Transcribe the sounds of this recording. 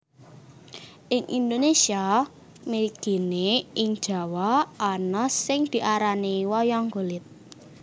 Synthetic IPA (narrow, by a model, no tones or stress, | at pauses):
ʔɪŋʔḭnd̪onesia | meɾiɡ̥i̤neʔɪŋd̥ʒ̥a̤waʔːnɔsɪŋd̪̥i̤ʔaɾaniwɔjɔŋɡo̤lɪt̪̚